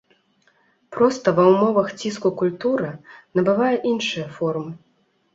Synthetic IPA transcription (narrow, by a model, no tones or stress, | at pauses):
pɾɔst̪ɐvɐwmɔvɐxt͡sʲiskukulʲt̪uɾɨnɐbɨvajɛʔinʂɨjɐfɔrmɨ